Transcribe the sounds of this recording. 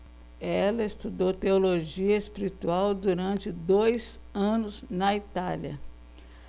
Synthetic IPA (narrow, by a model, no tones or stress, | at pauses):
ɛlɐest̪ud̪owt̪eoloʒiɐespiɾit̪uawd̪uɾɐ̃nt͡ʃɪd̪ojz | ɐ̃nʊznɐit̪aljɐ̰